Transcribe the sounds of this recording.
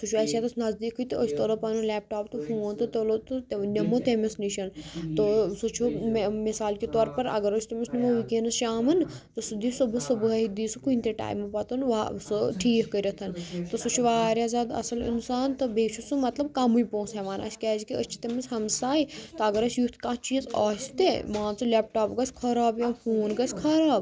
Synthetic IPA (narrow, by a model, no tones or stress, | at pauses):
sut͡ʃʰuɐsaːt̪ɐsnɐzd̪iːkːɨt̪ɨət͡ʃʰt̪olopɐnulɛːp̚ʈaːpt̪ɨhũõnt̪ɨt̪olot̪ɨt̪nʲɐmot̪emisniʃɐnt̪osot͡ʃʰumisaːlkit̪ɔːɾpɐɾɐ̰ɡɐɾot͡ʃʰt̪ɐmisnimoʋikeːnɨsʃaːmɨnt̪osɨd̪iːsubɨsɐbɨɦɐɦid̪iːsukuinʲt̪eʈa̰ːjmɐpɐt̪unʋasɨʈʰiːkkəɾɐt̪ʰɐnt̪osut͡ʃʰuʋaːɾʲjaːzʲaːd̪ɐ̰sɐlḭnsaːnt̪ɨbeːt͡ʃʰusumɐt̪lɐbkɐmujpõːsɦɛʋaːnɐ̰sʲkʲɛːd͡ʒikiəst͡ʃʰi̥t̪emisɦɐmsaːit̪ɐɐɡɐɾɐsjut̪ʰkãːt͡ʃiːzɐːsʲt̪ḛmãːnt͡sɨlɛp̚ʈaːpɡɐsʲkʰɐɾaːbjãpʰuːnɡɐsʰʲkʰɐɾaːb